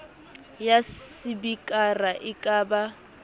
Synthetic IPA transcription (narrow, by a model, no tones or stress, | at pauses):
jasibikʼaraʔɪkʼaːba